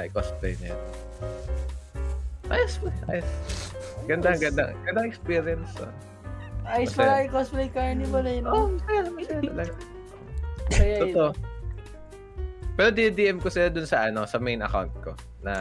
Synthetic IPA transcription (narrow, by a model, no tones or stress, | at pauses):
jkosplḛjnɐjɐn | ʔaːjɐspɐʔa̰ːjɐs | ɡɐnd̪aɡɐnd̪a̰ŋɡɐnd̪aŋʔɛkspiːɾjɐnso̰ | ajʊspɐlaɪkosplejkanɪbɐnɐjnosɐaamɐaɐlɐɡa | ʔoʔɐjaot̪oʔ | pɛːɾod̪id̪iʔɛmkosɪlad̪ʊnsɐʔɐno̞sɐmejnɐ̰ka̰wnt̪̚ko̰ | nɐ